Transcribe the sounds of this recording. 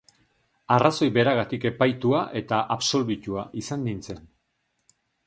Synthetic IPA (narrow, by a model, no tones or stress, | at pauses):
araso̞jβe̞ɾaɣat̪ike̞pajt̪uaʔe̞t̪aʔaβso̞lβicuaʔisand̪int͡se̞n